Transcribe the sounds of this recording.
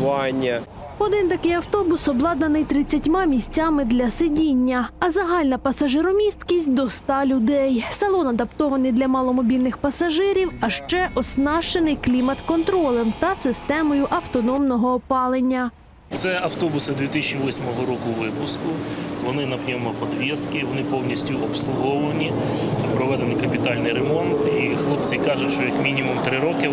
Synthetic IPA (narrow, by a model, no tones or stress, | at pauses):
ɑnʲːɐ | ɔd̪ɪnt̪ɐkɪjɐwt̪ɔbʊsɔblˠɑd̪nɐnɪjt̪ɾɪt͡sʲːɐtʲmɑmʲisʲt͡sʲamɪd̪lʲɐsedʲinʲːɐɐzɐɦɑlʲnɐpɐsɐʒɪɾɔmʲist̪kʲisʲtʲd̪ɔst̪ɑlʲʊd̪ɛjsɐlˠɔnɐd̪ɐpt̪ɔʋɐnɪjd̪lʲɐmɑlˠɔmɔbʲilʲnɪxpɐsɐʒɪɾʲiwɐʃt͡ʃɛʔɔsnɑʃt͡ʃenɪjklʲimɐt̪kɔnt̪ɾɔlˠɛmt̪ɐsɪst̪ɛmɔjʊʔɐwt̪ɔnɔmnɔɦɔːpɑlˠenʲːɐ | t̪sɛɐwt̪ɔbʊsɪd̪ʲʋʲit̪ɪsʲt͡ʃʲiʋɔsʲmɔɦɔɾɔkʊʋɪpʊskʊʋɔnɪnɐpnʲɛmɔpɔd̪ʋʲiskɪʋɔnɪpɔwnʲisʲtʲʊʔɔpslˠʊɦɔʋɐnʲipɾɔʋɛd̪enɪjkɐpʲit̪ɑlʲnɪjɾemɔnt̪ixlˠɔp̚t͡sʲikɑʒʊtʲʃt͡ʃɔjɐkmʲinʲimumt̪ɾɪɾɔkɪ